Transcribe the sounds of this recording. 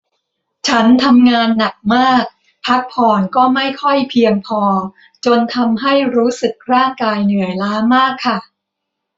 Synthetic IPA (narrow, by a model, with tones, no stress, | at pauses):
t͡ɕʰa˦˥nt̪ʰa˧mŋaː˧nːa˨˩k̚maː˥˩k̚ | pʰa˦˥k̚pʰɔː˧˩nkɔː˥˩ma˥˩jkʰɔ˥˩jpʰi˧əŋpʰɔː˧ | t͡ɕo˧nt̪ʰa˧mɦa˥˩jɾuː˦˥sɯ˨˩k̚ɾaː˥˩ŋkaː˧jnɯ˩˦ɐlaː˦˥maː˥˩kʰːa˥˩